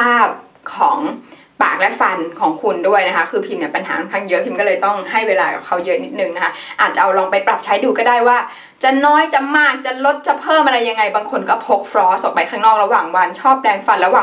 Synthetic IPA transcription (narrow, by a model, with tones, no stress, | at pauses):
pʰaː˥˩p̚ | kʰɔː˩˦ŋ | pa̰ː˨˩k̚lɛ˦˥ʔfa˧nkʰɔː˩˦ŋkʰu˧ndu˥˩əjna˦˥kʰa˦˥kʰɯː˧pʰi˧mni˥˩pa˧nhaː˩˦a˧nkʰaː˥˩ŋjɤ˦˥ʔpʰi˧mkɔː˥˩lɤː˧jt̪ɔ˥˩ŋɦa˥˩jweː˧laː˧ka˨˩p̚kʰa˦˥wjɤ˦˥ni˦˥t̪̚nɯ˨˩ŋna˦˥kʰa˦˥ʔaː˨˩t̪̚t͡ɕa˨˩ʔa˧wlɔː˧ŋpa˧jpɾa˨˩p̚t͡ɕʰa˦˥jduː˧kɔː˥˩daː˥˩jwaː˥˩ | t͡ɕa˨˩nɔː˦˥jt͡ɕa˨˩maː˥˩k̚t͡ɕa˨˩lo˦˥t̪̚t͡ɕa˨˩pʰɤː˥˩mʔa˧ɾa˧jːa˧ŋːa˧jbaː˧ŋkʰo˧nkɔː˥˩pʰo˦˥k̚fɾɔː˦˥o˨˩pa˧jkʰaː˥˩ŋnɔː˥˩k̚ɾa˧waː˨˩ŋwa˧nt͡ɕʰɔː˥˩p̚lɛː˧ŋfa˧nɾa˧waː˨˩ŋ